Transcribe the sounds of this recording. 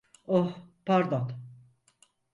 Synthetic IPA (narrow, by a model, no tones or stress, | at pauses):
ohpaɾd̪ɔt̪